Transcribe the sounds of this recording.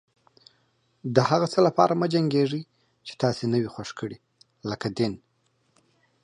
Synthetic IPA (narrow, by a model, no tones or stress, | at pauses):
d̪əhaɣat͡səlapɑɾamad͡ʒaŋɡeʐi | t͡ʃe̥t̪ɑsenəwixwaʂkʰəɽi | ləkad̪ɪn